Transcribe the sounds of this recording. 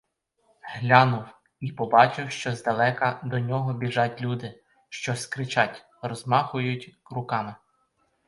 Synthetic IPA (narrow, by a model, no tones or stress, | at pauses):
ɦlʲɑnʊw | ipɔbɑt͡ʃɪwʃt͡ʃɔzd̪ɐlˠɛkɐd̪ɔnʲɔɦɔbʲiʒɑtʲlʲud̪ɪ | ʃt͡ʃɔskɾɪt͡ʃɑtʲ | rɔzmɑxʊjʊtʲrʊkɑmɪ